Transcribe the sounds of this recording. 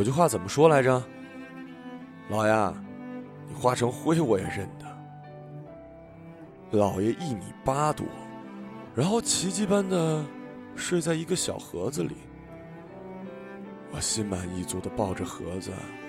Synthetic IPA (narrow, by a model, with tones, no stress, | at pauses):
wɔ˨˩t͡ɕjo˥˧ʊxwa˥˩t͡sə˨˩mə˦ʂwɔ˥la˧˥ɪʈ͡ʂəə˧ | lɑ˨˩ʊja̰˥˧ | ni˨˩xwa˥ʈ͡ʂʰɤ˧˥ŋxwe˥ɪwɔ˧˩jɛ̰˨˩ɻə˥˩nd̪ə˩ | lɑ˨˩ʊjɛ˧˥ʔi˥˩nḭ˨˩pa˥t̪ṵ˨˥˩ | ɻa˧˥nxo˥˩ʊt͡ɕʰi˧˥t͡ɕi˥˧pa˥nd̪ə˨ | ʂwe˥˧ɪt͡sa˥˩ɪi˧˥ɡə˧ɕjɑ̰˨˩ʊxɤ˧˥d͡z̩˧lḭ˨˩˦ | wɔ˨˩ɕi˥nma˧˥ni˥˧t͡swɔ˥˩d̪ə˩pɑ˥˩ʊʈ͡ʂə˩xɤ̰˧˥d͡zɹ̩̰˧ɐ̰˨˩